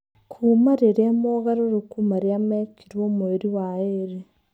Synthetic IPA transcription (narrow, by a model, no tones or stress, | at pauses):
kʰumaɾeɾemoɣaɾoɾukumaɾjameciɾwomueɾiwaeɾe